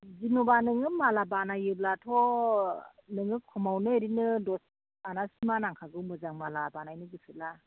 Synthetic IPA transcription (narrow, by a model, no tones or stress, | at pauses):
zinubanɯŋɯmalabanajɯblatʰɔ | nɯŋɯkʰɔmawnɯeɾinɯdɔs | anasimanaŋkʰaɡɯwmɯzaŋmalabanajnɯɡɯsɯla